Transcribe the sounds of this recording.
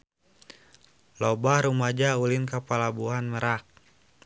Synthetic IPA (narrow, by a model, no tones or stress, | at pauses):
lɔbahɾumad͡ʒaulɪnkapalabuɦanməɾak̚